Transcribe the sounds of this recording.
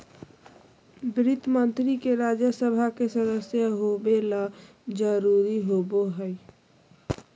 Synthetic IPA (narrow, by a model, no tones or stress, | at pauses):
bɾɪt̪mənt̪ɾikeɾad͡ʒəsəbʱakesəd̪əsjəɦobela | d͡ʒəɾuɾiɦoboɦəj